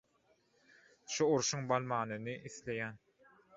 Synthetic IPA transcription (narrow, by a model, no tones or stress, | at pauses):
ʃuuɾʃuŋbɑlˠmɑːnɯnɯʔiθle̞jæːn